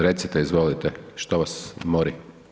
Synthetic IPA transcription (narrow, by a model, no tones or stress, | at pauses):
ɾet̪sit̪ɛizʋolit̪ɛʃt̪oʋasmoɾi